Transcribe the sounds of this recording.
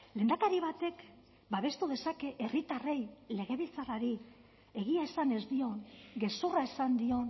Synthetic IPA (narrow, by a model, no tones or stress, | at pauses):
le̞ːnd̪akaɾiβ̞at̪e̞k | baβe̞st̪uð̞e̞sake̞ʔerit̪are̞jle̞ɣ̞e̞βilt͡saraɾi | e̞ɣ̞iaesane̞zd̪io̞ŋɡe̞soraesand̪io̞n